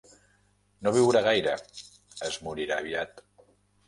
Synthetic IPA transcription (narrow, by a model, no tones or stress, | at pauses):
noβ̞iwɾaɣ̞ajɾə | əzmuɾiɾaβiat̪